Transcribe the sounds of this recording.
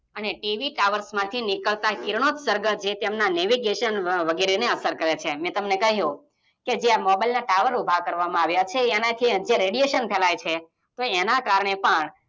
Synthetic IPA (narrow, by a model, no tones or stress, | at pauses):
əneʈiʋiʈaʋəɾsmãt̪ʰinikəɭt̪akiɾɳ̃ot̪səɾɡəd͡ʒet̪emnaneʋiɡeʃənʋəɡeɾeneəsəɾkəɾet͡ʃʰemɛ̃t̪əmnekəɦjũ | ked͡ʒeamɔbajlnaʈaʋəɾubʱakəɾʋamãaʋjat͡ʃʰeːnat̪ʰid͡ʒeɾeɽijeʃənpʰɛlajt͡ʃʰe | t̪oenakaɾɳepəɳ